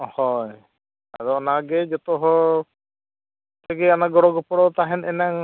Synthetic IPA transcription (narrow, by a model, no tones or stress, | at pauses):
hɔj | a̰ɾɔɔnaɡɛd͡ʒɔt̪ɔɦɔ | t̪ʰɛɡɛanaɡɔɽɔɡɔpɔɽɔt̪aɦɛnɛnaŋ